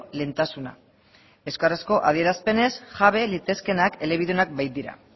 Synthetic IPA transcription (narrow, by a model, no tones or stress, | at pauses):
le̞nt̪asuna̰ | e̞skarasko̞ʔaðie̞ɾaspe̞ne̞sʝaβe̞lit̪e̞ske̞nake̞le̞β̞iðuonak̚bajt̪̚d̪iɾa̰